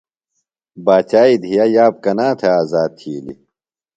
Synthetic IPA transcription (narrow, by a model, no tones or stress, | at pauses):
baːt͡ɕaːid̪ʱijajaːb̚kɐnaːt̪ʰeaːzaːd̪̚t̪ʰiːlḭ